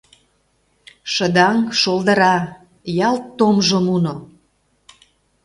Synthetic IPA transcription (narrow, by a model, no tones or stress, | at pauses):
ʃə̆d̪ɑŋʃolˠd̪əɾɑ | jɑlt̪ːomʒomuno